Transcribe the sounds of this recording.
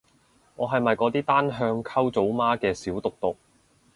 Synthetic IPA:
ŋɔː˨˧ɦɐ˨jmɐ˨jkɔː˨˧t̪iː˥t̪aː˥nɦœː˧ŋkʰɐ˥wt͡so˨˥wmaː˥kɛː˧siː˨˥wt̪ʊ˨k̚t̪ʊ˨k̚

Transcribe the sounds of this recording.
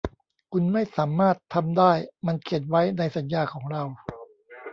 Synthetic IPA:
kʰu˧nma˥˩jsaː˩˦maː˥˩t̪ʰːa˧mdaː˥˩jma˧nkʰe˨˩t̪̚wa˦˥jna˧jsa˩˦njaː˧kʰɔː˩˦ŋɾa˧w

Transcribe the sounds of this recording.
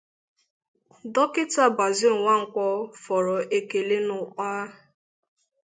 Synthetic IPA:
dɔ˦kɪ˦ta˦ba˨zɪ˦ŋ̩˨ŋʷa˦ŋ̩˨kʷɔ˦fɔ˨ɾɔ˨e˨ke˨le˦nʊ˨k͡paː˦

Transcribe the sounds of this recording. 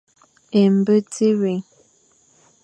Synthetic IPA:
e˨m̩˨bə˦tʰi˦ɾi˨ŋ

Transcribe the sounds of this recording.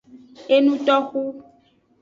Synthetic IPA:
e˦nũ˦t̪ɔ˦xu˦

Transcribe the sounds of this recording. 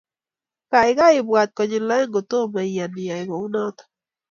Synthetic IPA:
ka˨ɪ˦ɡa˦ɪ˨bwa˨t̪̚kɔ˨ɲɪ˨la˦ɛ˦ŋɡo˨t̪o˦ma˨ija˨nɪ˨a˨ɪ˨bo˨u˦nɔ˦t̪ɔ̥

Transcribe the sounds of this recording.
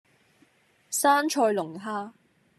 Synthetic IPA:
saː˥nt͡ʃʰɔː˧jlʊ˨˩ŋɦaː˥

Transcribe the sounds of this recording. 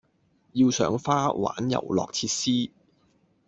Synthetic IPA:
ji˧wsœ̰ː˨˥ŋfaː˥wa̰ː˨˥njɐ̰˨˩wlɔ̰ː˨k̚t͡sʰiː˧t̚siː˥

